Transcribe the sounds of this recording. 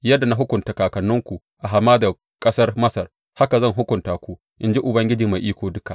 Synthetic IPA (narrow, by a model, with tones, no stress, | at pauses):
jɐ˦dːa˨na˨ɦʊ˦kʷʊ˨ntaː˨kaː˨kɐ˨nːʊ˦ŋkʷu˨ | ʔa˨ɦa˨mːaː˦da˨ | kʼɐ˦sɐ˦rmɐ˦sɐ˨r | ha˦ka˨zɐ˦˨ŋɦʊ˦kʷʊ˨ntaː˨kʷu˦ | ʔɪ˦nd͡ʒi˦ʔʊ˨bɐ˦ŋɡʲɪ˦d͡ʒi˨ma˨ʔiː˦kʷoː˨dʊ˦ka˨